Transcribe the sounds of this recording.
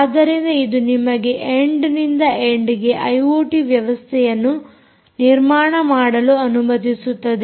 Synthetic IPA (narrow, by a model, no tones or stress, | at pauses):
d̪ɐɾind̪ɐid̪unimɐɡe̞ʔeɳɖnind̪ɐeɳɖiɡe̞ʔɐjoːʈiʋjɐʋɐst̪ʰɛjɐnːu | niɾmaːɳɐmaːɽɐluɐnumɐd̪isut̪ːɐd̪e